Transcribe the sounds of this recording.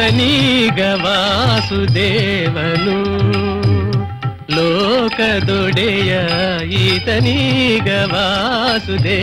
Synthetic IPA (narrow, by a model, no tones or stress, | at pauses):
ɐniɡɐʋasud̪eːʋɐnu | lɔːkɐd̪ɔɖɛjɐit̪ɐniɡɐʋasud̪eː